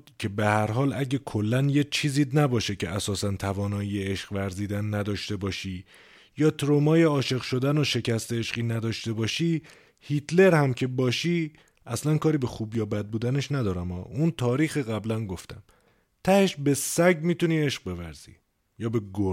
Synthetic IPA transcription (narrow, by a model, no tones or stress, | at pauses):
cʰe̞behæɾɦɒːlʔæɟekʰo̞lːænjet͡ʃʰiːziːnæbɒːʃecʰeʔæsɒːsænt̪ʰævɒːnɒːieeʃɢvæɾziːd̪ænːæd̪ɒːʃt̪e̞bɒːʃiː | jɒːt̪ʰɾomɒːjeɒːʃe̞ɣʃo̞d̪ænoʃe̞cʰæst̪e̞eʃɢiːnæd̪ɒːʃt̪e̞bɒːʃiː | hit̪ʰle̞ɾhæmcʰe̞bɒːʃiː | æslænkʰɒːɾiːbe̞xuːbjɒːbæd̪̚buːd̪æne̞ʃnæd̪ɒːɾæmɒːʔunt̪ʰɒːɾiːxiːɣæblænɡoft̪æ̰m | t̪ʰæheʃbe̞sæɟmiːt̪uniːe̞ʃɢ̥̚be̞væɾz̥ḭː | jɒːbe̞ɡo